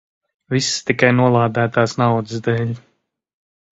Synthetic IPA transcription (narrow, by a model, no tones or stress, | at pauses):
visːt̪ikajnuɔlˠaːd̪æːt̪aːsnawd̪ɨsd̪ɛːlʲ